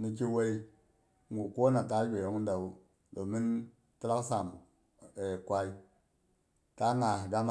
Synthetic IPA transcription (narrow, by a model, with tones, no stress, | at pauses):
ni˨k̬i˦we˦i˦ | ŋɡu˨ko˦na˨ta˦be˨o˨˦ŋu˦da˨u˦ | do˨mi˦n | ti˦la˦ksa˨m | e˨kʷa˦i˦ | ta˦ŋa˨ɡa˦ŋ